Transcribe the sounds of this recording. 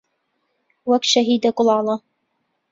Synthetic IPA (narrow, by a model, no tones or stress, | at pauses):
wakʃaɦiːd̪akʼʊlˠɑːlˠɑ